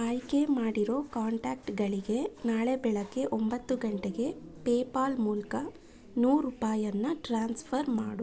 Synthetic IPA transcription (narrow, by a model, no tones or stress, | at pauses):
aːjkemaːɽiɾo̞ːkaːɳʈaːk̚ʈɡɐɭiɡe̞naːɭebɛɭɐkːe̞ʔombɐt̪ːuɡɐɳʈeɡe̞peːpaːlmuːlkɐ | nuːɾupaːjɐnːɐʈɾaːnspʰɐɾmaːɽu